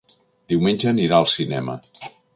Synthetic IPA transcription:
d̪iwmenʲʒəniɾaəlˠsinɛ̰mə̰

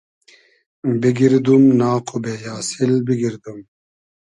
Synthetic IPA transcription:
biɡiɾd̪umnaːqʰubeːjaːsilbiɡiɾd̪um

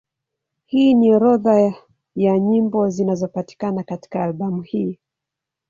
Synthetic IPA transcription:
hiːniɾɔða | jaɲimbɔzinazɔpati̥kanakati̥kaːlɓamuhiː

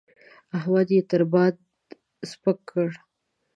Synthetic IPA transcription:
aɦwɑd̪jet̪əɾbɑd̪ | spəkʰːəɽ

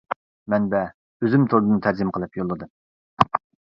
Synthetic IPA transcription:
mɛnbɛ | øzymt̪ʰoɾd̪ɨnɨt̪ʰæɾd͡ʒ̪ɪmqʰəlˠɨpjolˠːɨd̪ɨm

